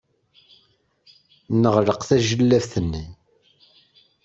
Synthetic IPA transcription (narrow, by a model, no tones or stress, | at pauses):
nəʁləqθæʒəlːævθənːi